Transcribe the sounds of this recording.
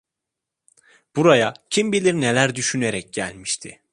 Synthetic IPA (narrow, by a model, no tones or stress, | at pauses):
b̥uɾajacʰimbilʲiɾne̞lʲæɾd̪yʃyne̞ɾɛc̚ɟæ̰lʲmiʃt̪ʰɪ̰